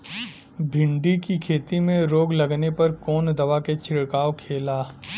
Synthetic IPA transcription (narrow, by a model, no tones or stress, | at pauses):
bʱɪ̃ɳɖikikʰeːt̪imẽɾoːɡlɐɡnepɐɾkɔːnd̪ɐʋaket͡ʃʰɪɽkaːokʰeːlaː